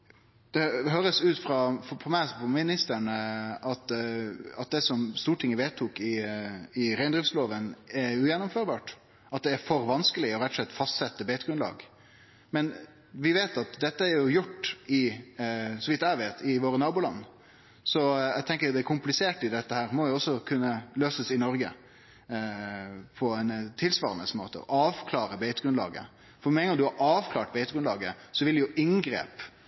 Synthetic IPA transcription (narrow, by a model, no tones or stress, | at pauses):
d̪̥ɛɦøːɾəsʉːt̪fɾɑfɔfʰɔmæɪsfʰɔmɪnɪst̪əɳəɑt̪ | ɑt̪̚d̪ɛsɔmst̪uːʈʰɪŋːəʋeːt̪ʰuːkɪɪɾæɪnd̪ɾɪfsloːʋənɛɾʉjɛnːʊmføːɾbɑːʈ | ɑt̪̚d̪ɛæɾfɔɾʋɑnskəlɪɔɾɛt̪ːɔ̥sɛt̪ːfɑst̪sɛt̪ːəbeːt̪əɡɾʉnlɑ̰ːɡ | mɛn | ʋɪʋeːt̪ɑt̪d̪ɛt̪ːəæɾjʊjʊʈːɪ | sɔʋɪt̪ːæɪʋeːt̪ʰɪʋoːɾənɑːbʊːlɑ̰nː | sɔæɪɡt̪ʰɛŋkəjd̪ɛækʰʊmplɪseːʈɪd̪ɛt̪ːəhæːɾmɔjʊɔsːɔkʰʉnːəløːsəsɪnɔɾɡə̰ | pʰɔɛnt̪ʰɪlsʋɑːɾənəsmo̰ːt̪ə̰ɔ̰ɑːʋkʰlɑːɾəbeɪt̪əɡɾʉnlɑ̰ːɡə̰ | fɔɾmɛŋɑd̪ʉhɑʔɑːʋkʰlɑːʈ̚beɪt̪əɡɾʉnlɑːɡəsɔʋɪld̪ɛjʊʔɪŋɡɾḛːp